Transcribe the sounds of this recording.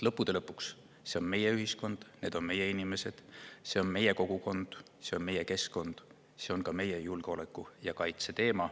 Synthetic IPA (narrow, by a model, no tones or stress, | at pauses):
lɤpːud̥̪e̞lɤpːˑuks | se̞o̞nme̞jeyɦisko̞nd̪̥ne̞ːd̪̥o̞nme̞je̞inime̞se̞d̪̥se̞o̞nme̞je̞ko̞ɡ̥uko̞nd̪̥ | se̞o̞nme̞jeke̞sko̞nd̪̥ | se̞o̞nkɑme̞jejulɡ̥eo̞le̞kːˑujɑkɑjt̪se̞t̪e̞ːmɑ